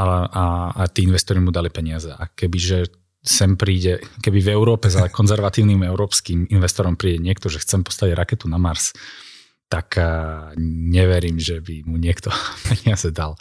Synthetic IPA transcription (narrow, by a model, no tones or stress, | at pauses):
aaat̪iːinʋɛst̪ɔɾimud̪alipɛɲɪazɛʔakɛbiʒɛ | sɛmpɾiːɟɛkɛbivɛʊɾɔːpɛzakɔnzɛɾʋat̪iːʊnimɛʊɾɔːpskiminʋɛst̪ɔɾɔmpɾiːɟɛɲɪɛkt̪ɔʒɛxt͡sɛmpɔ̥st̪aɟɾakɛt̪unamaɾs | t̪ak | ɲɛʋɛɾiːmʒɛbimuɲɪɛkt̪ɔpʰɛɲɪazɛd̪al